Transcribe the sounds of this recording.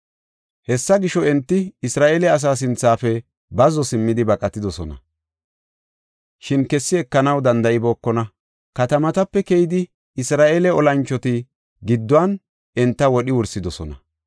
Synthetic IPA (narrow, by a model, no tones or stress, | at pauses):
hɛsːɐɡɪʃɔɛnt̪ːɪɪsɾaːʔeːlɛɐs̬aːs̬ɪnt͡sːaːfɛ | bɐzɔsɪmːɪd̪ɪbɐkʼɐt̪ːɪd̪ɔsɔnɐ̰ | ʃɪnkɛsːɪɛkːɐnɐwd̪ɐnd̪ɐɪbo̞ːkːɔnɐ | kɐt̪ɐmɐt̪ɐpːɛkɛjɪd̪ɪ | ɪsɾaːʔeːlɛɔlɐnt͡ʃːɔt̪ɪ | ɡɪd̪ːʊɐn | ɛnt̪ːɐwɔɗɪwʊɾsɪd̪ɔsɔnɐ̰